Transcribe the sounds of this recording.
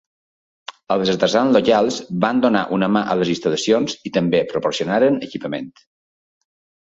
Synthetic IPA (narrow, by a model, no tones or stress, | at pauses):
əlˠzət̪əzanlokalˠzband̪onaʔunəmaʔələzinst̪ələsionzit̪əmbepɾopoɾsionaɾənəkipəmḛnt̪